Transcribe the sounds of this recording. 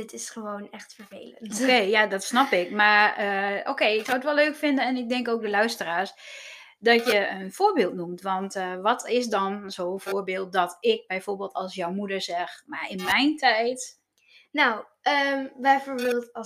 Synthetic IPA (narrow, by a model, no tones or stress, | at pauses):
dɪtɪsχəʋoːnɛxtfərvḛːləokejadɔtsnɔpɪkmaɹəoːkeːɪksawətʋɛløːkfɪndənɛnɪk̚dɛŋkoːk̚dəlœɥstəraːs | dɔtjəənfoːbeːlˠt̚numtʋɔntʋɔtʰɪs̬dɔnzowfoːɹbeːlˠt̚dɔtʰɪk̚bɛjfoːɹbeːlˠtɔlˠsjɔwmudəɹzɛxmaɪnmɛjntʰɛjt | naw | əmbɛjfoːɹbeːlˠt